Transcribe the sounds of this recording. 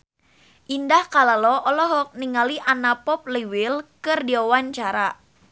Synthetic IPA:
ʔindahkalalɔʔɔlɔɦɔk̚niŋaliʔanapɔp̚liwɪlkɨrdiɔwaɲt͡ʃaɾa

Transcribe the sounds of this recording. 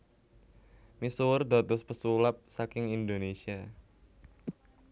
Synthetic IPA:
misuwʊrd̪a̤t̪ʊspəsulap̚sakɪŋind̪onesia

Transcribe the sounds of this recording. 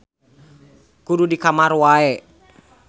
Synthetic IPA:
kududikamarwaɛ

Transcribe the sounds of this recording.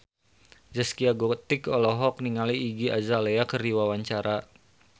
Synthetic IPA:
d͡ʒəskiaɡɔt̪ɪkɔlɔɦɔkniŋaliːɡia̰zaleakəriwawaɲt͡ʃaɾa

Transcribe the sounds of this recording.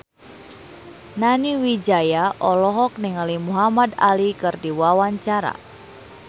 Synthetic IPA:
naniwid͡ʒajaʔɔlɔɦɔk̚niŋalimuɦamada̰likɨrdiwawaɲt͡ʃaɾa̰

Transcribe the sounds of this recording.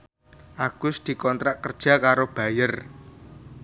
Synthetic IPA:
ʔaɡ̥ʊsd̪̥i̤kɔnt̪ɾaʔkərd̥ʒ̥a̤kaɾob̥ä̤jər

